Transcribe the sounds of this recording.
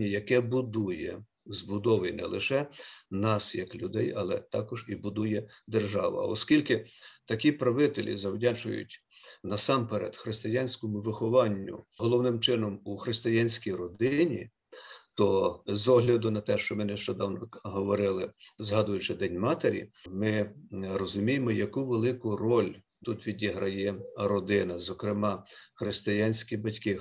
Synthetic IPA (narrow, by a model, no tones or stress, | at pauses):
ijɐkɛbʊd̪ujɛ̰ | zbʊd̪ɔʋɪjnɛ̰lˠɪʃɛnɑsjɐklʲʊd̪ɛjɐlˠɛ̰t̪ɑkɔʒibʊd̪ujɛd̪erʒɑʋɐ̰ɐ̰ɔskʲilʲkɪt̪ɐkʲipɾɐʋɪt̪elʲḭzɐwdʲɑt͡ʃʊ̰jʊ̰tʲ | nɐsɑmpeɾɛ̰d̪xɾɪst̪ɪjɑnʲsʲkɔmʊʋɪxɔʋɑnʲːʊ̰ɦɔlˠɔwnɪmt͡ʃɪnɔmuxɾɪst̪ɪjanʲsʲkʲijɾɔd̪ɪnʲḭ | t̪ɔzɔɦlʲɐd̪ʊnɐt̪ɛʃt͡ʃɔmɛnɪʃt͡ʃɔd̪ɑwnɔɦɔʋɔɾɪlˠɪzɦɑd̪ʊjʊt͡ʃɪd̪ɛnʲmɑt̪eɾʲḭmɪrɔzʊmʲijemɔjɐkuʋelˠɪkʊrɔlʲ | t̪ut̪ʋʲidʲiɦɾɐjɛɾɔd̪ɪnɐzɔkɾɪmɑxɾɪst̪ɪjɑnʲsʲkʲibɐtʲkɪ